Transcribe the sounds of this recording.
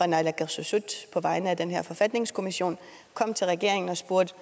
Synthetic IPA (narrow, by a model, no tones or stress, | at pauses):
ʁɑnɑlæɡ̥æsusud̥pʰɒ̽ʋɑ̈ɪnəæd̥enɦeɐ̰fɒ̽fæd̥ne̝ŋskʰo̝miɕo̝̰ːn | kʰɒ̽m̰t͡sʰe̝lʁɛɡe̝ɐe̝ŋn̩ɒ̽sb̥uɐd̥